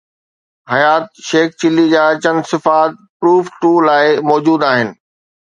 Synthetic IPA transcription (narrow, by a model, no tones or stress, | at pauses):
ɦɐjaːt̪̚ʃeːkt͡ɕɪlid͡ʑaːt͡ɕɐnsɪfaːt̪̚ | pɾuːfʈuːlaːɪmɔːd͡ʑuːd̪aːɦɪnɪ̆